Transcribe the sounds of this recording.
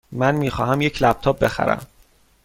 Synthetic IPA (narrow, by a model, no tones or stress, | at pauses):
mænmiːxɒːɦæmjecʰlæb̚t̪ʰɒːp̚be̞xæ̰ɾæ̰m